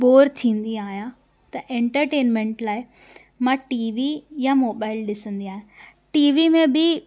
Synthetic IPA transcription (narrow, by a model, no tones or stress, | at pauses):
ɓoːɾt̪ʰĩːnd̪iaːɦijã | t̪ɐʔẽːɳʈəɾʈeːnmẽɳʈlaːɪ | mãʈiːʋijamoːbaːɪlɗɪsə̃nd̪iaːɦijã | ʈiːʋimẽbɪ